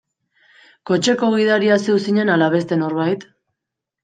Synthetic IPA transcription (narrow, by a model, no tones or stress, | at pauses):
ko̞t͡ʃe̞ko̞ɣ̞ið̞aɾiasewsiɲe̞nalaβ̞e̞s̬t̪e̞no̞ɾβajt̪